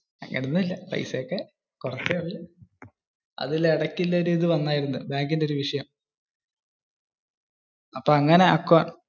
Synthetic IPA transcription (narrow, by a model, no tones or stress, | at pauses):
ɐ̰ŋːɐ̰nunːuilːɐprɐ̰jsekːe | kurɐt͡ɕːeɐilːɐ | ɐ̰ðiliɽɐkːilːɐoɾiːðɨʋɐnːaːjiɾunːɨbaːŋɡindeo̞ɾuʋiʂɐjɐm | ɐpːoːɐŋːɐne̞ɐ̰kːoːn